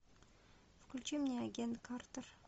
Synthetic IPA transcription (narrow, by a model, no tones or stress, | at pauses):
fʊ̥kʲʊlʲt͡ʃemnʲeaɡʲent̪kʰart̪ər